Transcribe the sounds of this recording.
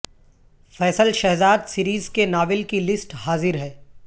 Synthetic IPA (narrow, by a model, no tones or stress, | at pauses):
fɛːsəlʃɛɦzaːd̪siɾiːzkenaːʋɪlkilɪsʈhaːzɪɾɦɛː